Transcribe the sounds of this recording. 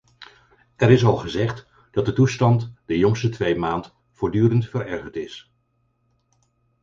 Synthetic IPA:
ɛɾɪsɑlˠχəzɛχt | d̥ɑt̚dətustɑntd̥əjɔŋstətʋejmaːnt | fʊːɹdyːɾəntfəɾɛɹχəɹtɪs

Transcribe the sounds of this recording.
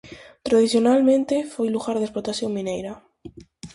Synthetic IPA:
t̪ɾaðiθjonalmẽnt̪efojluɣaɾðesplot̪asjõŋmĩnejɾa

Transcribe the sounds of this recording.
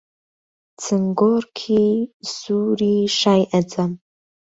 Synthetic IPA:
t͡sʰɨŋɡorkʰisuːɾiʂaːjʔɐd͡zʼam

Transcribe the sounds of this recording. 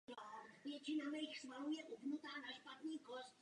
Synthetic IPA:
avjɛt͡ʃɪnamɛjxsvaluːjɛʔupnut̪aːnaʃpat̪niːkost̪

